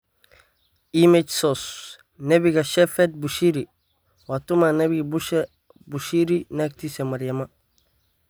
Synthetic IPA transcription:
imed͡ʒsos | nebiɡaʃefet̚buʃiɾi | watumanebiɡbuʃ | buʃiɾinak̚tisemaɾijama

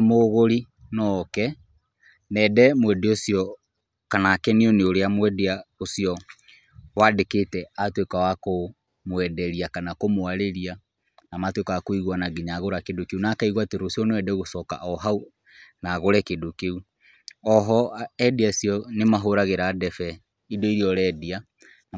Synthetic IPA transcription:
moɣoɾi | nɔkɛ | nɛdɛmwɛdeosijɔ | kanakɛnioneoɾeamwɛdeaosiɔ | wadeketɛatwekawako | mwɛdɛɾiakanakomoaɾeɾia | namatwekawakoiɣuanaɡiɲaɣoɾakedokeunaːkaiɣwateɾosjɔnewɛdɛɣosɔka̰ʔɔɦau | naɣoɾɛkedokeu | ɔɦɔɛdiasiɔnemaɦoɾaɣeɾadɛfɛ | idoiɾiɔɾɛːdia

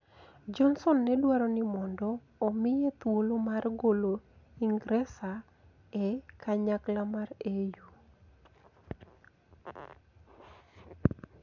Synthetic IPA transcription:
d͡ʒɔnsɔnːɛdwaɾɔnɪmɔndɔː | mɪjet̪wolomarɡolo | iŋɡɾɛsa | ɛkaɲaklamareju

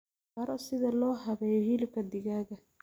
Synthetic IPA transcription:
ɐɾɔsɪðɐlɔːɦɐβɛːjɔhilɪb̚kʰɐd̪ɪɣaːɣɐ

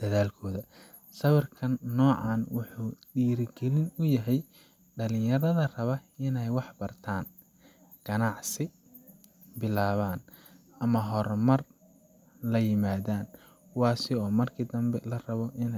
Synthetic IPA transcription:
d̪̥ɐðaːlkʰɔːðɐ | sɐβɪrkʰɐnːɔːʕɑːnwʊħuːɖiːɾɡɛlɪnʊjɐɦɛj | ɖɐlɪ̃jɐɾɐðɐrɐβɐɪnɛjwɑħbɐrt̪ʰaːn | ɡ̥ɐnɑʕsɪ | bɪlaːβaːn | ʔɐmɐɦɔɾmɐr | lɐjɪmaːðaːn | wɑːsɪɔːmɐrkʰɪd̪ɐmbɛlɐrɐβɔʔɪnɛ

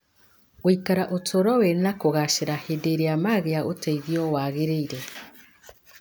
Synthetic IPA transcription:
woikaɾaʔotoɾɔwenakoɣaʃeɾahedeɾeamaɣeaʔoteiðiɔwaɣeɾeiɾe

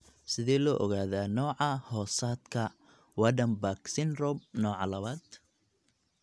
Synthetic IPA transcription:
sɪðɛːlɔːʔɔɣaːðaːnɔːʕɑhɔːsaːd̪kʰɐ | waɖɐmbaksɪnrɔb̚nɔːʕɑ̰lɐβaːd̪

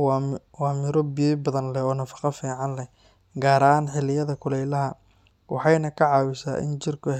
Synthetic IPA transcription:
waːmɪɾɔbibɐðɐnlɛɔːnɐfɑ̥qɑfiːʕɑnlɛ | ɡaːɾɐaːnħɪlɪjɐðɐkʰʊlɛjlɐɦɐ | wɑħɑjnɐkʰɐʕɑːwɪsa̰ːʔɪ̰nt͡ʃɪrkʰʊ

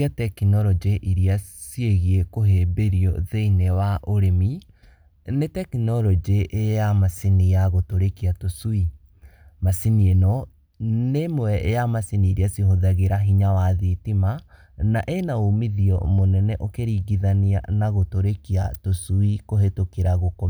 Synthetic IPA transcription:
atɛkinɔɾɔd͡ʒeʔiɾiasieɣiekoɦebeɾiɔðeinewaʔoɾemi | netɛkinɔɾɔd͡ʒeʔːjamasinijaɣotoɾekiatosui | masinienɔ | nemoɛʔejamasiniːɾiasihoðaɣeɾaɦiɲawaðitima | naʔenaomiðiɔ̰monɛnɛʔokeɾiːɡiðania̰naɣotoɾekiatosuikoɦetokeɾaɣoko

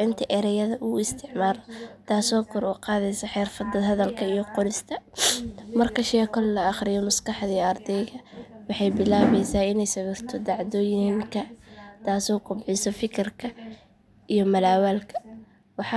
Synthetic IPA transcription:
ɪnt̪ʰɐʔɛɾɛjɐðɐʔʊɪst̪ʰɪʕmaːlɔt̪ʰaːsɔːkʰɔɾɔqɑːðɛjsɐħɛːrfɐd̪ɐd̪hɐðɐlkʰɐijɔqɔlɪst̪ʰɐ | mɐrkʰɐʃɛːkʰɔllɐɑχɾɪjɔmʊskɑħd̪iɐrd̪ɛjɣɐwɑħɑjbɪlaːβɛjsaːɪnɛjsɐwɪrt̪ʰɔd̪ɑʕd̪ɔːjɪɪŋkʰɐt̪ʰaːsɔːɡʊbʕɪsɔfɪkʰɪrkʰɐ | ijɔmɐlaːwaːlkʰɐ | wɑħɑ

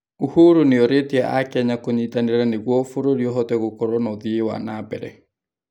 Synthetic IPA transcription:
uhuɾuneɔɾeteaʔakɛɲakoɲiːtaneɾaneɣwɔfoɾoɾijɔɦɔtɛɣokɔɾɔnɔðiewa̰nabɛ̰ɾɛ̰

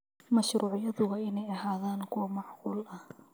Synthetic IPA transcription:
mɐʃruːʕjɐðʊɣɐɪnɛjɐɦaːðaːŋkʰʊwɑmɑʕquːlɐh

